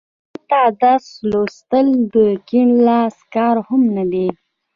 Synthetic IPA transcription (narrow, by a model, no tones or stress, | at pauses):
t̪ɑd̪ɑslost̪əld̪əkiɳlɑskɑɾhʊmnad̪e